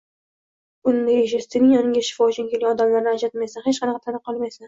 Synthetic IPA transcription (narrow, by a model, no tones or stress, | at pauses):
ʊnd̪aeʃ̬ɪst̪ʰɪnɪŋɒnɪŋɡʲaʃɪ̥fɒd͡ʒɪŋkʰʲelʲɒd̪amlaɾnɪad͡ʒat̪majsanhet͡ʃqʰɑnɑqʰɑt̪ʰanɨqʰːɒlˠmajsa